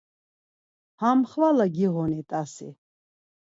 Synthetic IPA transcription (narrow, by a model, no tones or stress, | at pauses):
hamχvalaɡiʁɔnit̪ʼasḭ